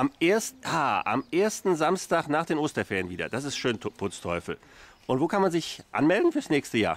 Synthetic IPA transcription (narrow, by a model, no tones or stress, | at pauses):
ʔameːɐstʔaːʔa̰mʔeːɐstn̩zamstaːknaːχd̥eːnʔoːstɐfɛənviːdɐ̰d̥as̬ɪstʃøːnʰpʰʊt͡stʰɔʏfl̩ | ʔʊntv̥oːkʰanmanzɪçʔa̰nmɛldn̩fyːɐsnɛːçstəja̰ːɐ